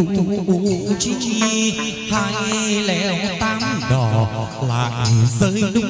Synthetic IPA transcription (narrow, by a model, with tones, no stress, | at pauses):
u˧˦˧ɓu˧˩t͡ɕi˧˦i˧ | ha˧jlɛ˧˩wt̪aː˧˦mɗɔ˨˩ | la̰ː˧˨jzi˨˩zəː˨˦jɗʊ˨˧˦